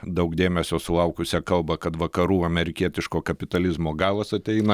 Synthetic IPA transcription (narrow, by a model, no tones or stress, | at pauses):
d̪ɐʊkd̪ʲeːmʲɛsʲoːsʊlˠɐʊkʊsʲɛkɐlˠbɐkɐt̪ʋɐkɐɾuːɐmʲɛɾʲɪkʲiɛt̪ʲɪʃkoːkɐpʲɪt̪ɐlʲɪzmoːɡɑːlˠɐsɐt̪ʲɛɪnɐ